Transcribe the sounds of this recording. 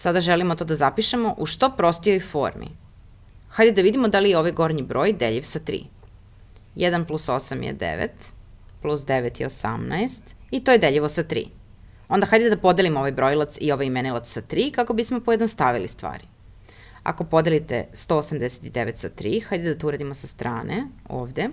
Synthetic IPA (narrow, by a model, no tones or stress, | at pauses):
sad̪aʒelimot̪o̞ːd̪azapiʃemo̞ʔuʃt̪o̞pɾo̞st̪ijo̞jfo̰ɾmḭ | xajd̪ed̪aʋid̪imod̪alijeo̞ʋajɡo̞ɾɲibɾo̞ːjd̪eʎiʋsat̪ɾḭː | jɛd̪anplˠuso̞samjḛd̪ḛʋḛt̪plˠusd̪eʋet̪ḭosa̰mna̰est̪it̪ojed̪eʎiʋosat̪ɾḭː | o̞nd̪axajd̪eed̪apo̞d̪elimo̞ʋajbɾo̞jlˠat̪sio̞ʋajimenilˠat̪ssat̪ɾiːkako̞bismo̞pojed̪nost̪aʋilist̪ʋa̰ːɾi | a̰ko̞po̞d̪elit̪ḛst̪oːosamd̪ese̥t̪id̪eʋet̪sat̪ɾiːxajd̪ed̪at̪ouɾaːd̪imosast̪ɾaːnʔeo̰ːʋd̪e